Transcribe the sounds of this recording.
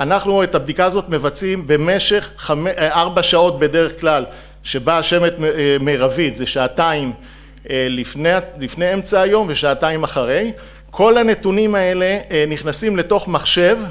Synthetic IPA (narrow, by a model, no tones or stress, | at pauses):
anaχnuetabd̪ikaːzo̞t̪me̞vat͡simbe̞me̞ʃe̞χːameaʁbaʃao̞t̚be̞de̞ʁe̞χklal | ʃe̞baːʃe̞me̞t̪meʁavit̪zeʃaːtaim | lifnealifne̞jemt͡saːjo̞mveʃaːtaimaχaʁe̞j | kʰo̞lane̞tunimae̞le̞niχnasimle̞to̞χmaχʃe̞v